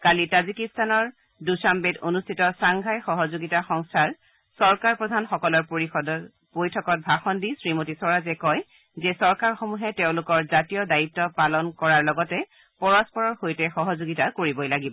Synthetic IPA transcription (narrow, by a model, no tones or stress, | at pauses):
kalitazikistanɔɹ | dusambetonustʰitɔsaŋɡʱajxɔɦɔzoɡitaxɔŋstʰaɹ | sɔɹkaɹpɹɔdʱanxɔkɔlɔɹpoid | pojtʰɔkɔt̚bʱaxɔndisɹimotisɔɹazɛkɔj | zɛsɔɹkaɹxomuɦɛteʊ̃lʊkɔɹzatijɔdaitːɔpalɔnkɔɹaɹlɔɡɔtɛ | pɔɹɔspɔɹɔɹxojtɛxɔɦɔzoɡitakoɹibɔjlaɡibɔ